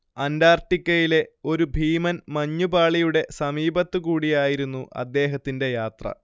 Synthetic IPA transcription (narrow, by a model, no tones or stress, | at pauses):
ɐndaːrʈːikʲːɐjile̞o̞ɾubʱiːmɐnmɐɲːubaːɭijuɽe̞sɐmiːbɐt̪ːɨkuːɽijaːjiɾunːuʔɐ̰d̪ːe̞ːɦɐt̪ːinde̞jaːt̪rɐ̰